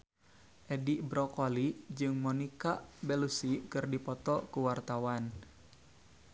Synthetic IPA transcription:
ʔɛdiʔbɾɔkɔlid͡ʒɨŋmɔnikabɛlusikɨrdipɔt̪ɔkuwart̪awan

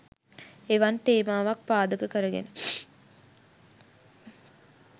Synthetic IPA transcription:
eʋant̪eːmaːʋak̚paːd̪əkəkəɾəɡḛnə

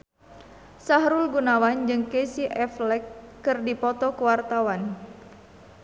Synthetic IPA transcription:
saɦɾulɡunawand͡ʒɨŋkesiʔɛflɛkːɨrdipɔt̪ɔkəwart̪awan

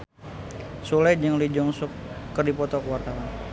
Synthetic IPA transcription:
sulajd͡ʒəŋlid͡ʒɔŋsʊkːərdipɔt̪ɔkəwart̪awan

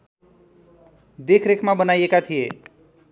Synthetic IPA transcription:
d̪ekʰɾekʰmabʌnajekat̪ʰije

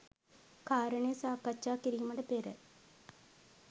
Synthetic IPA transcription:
kaːɾɐɳejɐsaːkːɐt͡ʃːaːkiɾijumɐɖɐpeːɾə

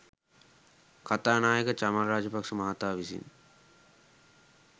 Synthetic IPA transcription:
kat̪aːnaːjəkət͡ʃamalɾaːd͡ʒəpaksumaɦat̪aːʋisḭn

